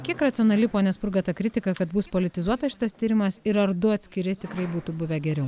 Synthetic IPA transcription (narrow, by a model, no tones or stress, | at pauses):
kʲiɛkɾɐt̪sʲɪoːnɐlʲɪpoːnʲɛspʊɾɡɐt̪ɐkɾʲɪt̪ʲɪkɐkɐt̪buspoːlʲɪt̪ʲɪzuɔt̪ɐʃʲɪ̥t̪ɐst̪ʲiːɾʲɪmɐsɪɾɐɾd̪ʊɐt̪ʲsʲkʲɪɾʲɪt̪ʲɪkɾɐɪbuːt̪ubʊʋʲɛɡʲɛɾʲɛʊ